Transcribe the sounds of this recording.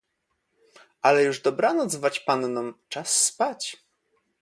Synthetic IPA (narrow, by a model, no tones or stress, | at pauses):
ʔalɛjuʐd̪ɔbɾanɔd̪zvat͡ɕpannɔmt͡ʂasːpat͡ɕ